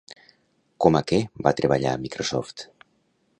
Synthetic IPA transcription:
komakebat̪ɾəβaʎa̰mikɾosɔft̪

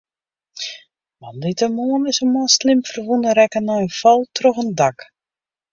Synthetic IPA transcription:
ʋandɪtəmoənɪsəmɔlˠslɪmfərʋunəɾɛkənɔjəfɔlˠtʰroxəndak

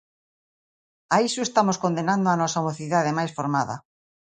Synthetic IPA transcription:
aisʊest̪amoskond̪enãnd̪oanɔsamoθiðaðemajsfoɾmaðɐ̰

